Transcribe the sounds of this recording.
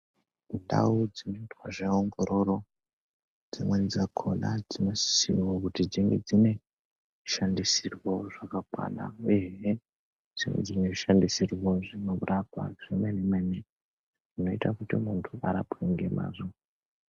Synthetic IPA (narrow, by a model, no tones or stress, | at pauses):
nda̰ud͡zino̞itwaʐeoŋɡo̞ɾo̞ɾo̞ | d͡zimwenzakʰo̰lad͡zino̞si̥siwokutid͡ziŋɡḛd͡zine̞ | ʃandisirwoʐakakwa̰ːna̰ueɦe | d͡ziŋɡḛd͡zine̞ʐiʃandisirwo̞ʐino̞uɾʔapa̰ʐemenemene | ʐino̞itakutimuntʰuaɾapoiŋɡe̞ma̰ːzo